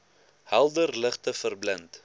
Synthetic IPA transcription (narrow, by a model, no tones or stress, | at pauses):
hælˠdərləχtəfərblənt